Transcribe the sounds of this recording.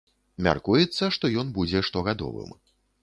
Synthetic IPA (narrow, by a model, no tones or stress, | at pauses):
mʲa̰rkujɛt̪sːɐʂt̪ɔjɔnbud͡zʲɛʂt̪ɔɣad̪ɔ̰vɨ̰m